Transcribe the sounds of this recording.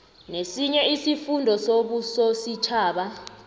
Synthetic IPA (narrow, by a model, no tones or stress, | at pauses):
nesiɲɛisifundʱɔsoɓusosit͡ʃʰaːɓa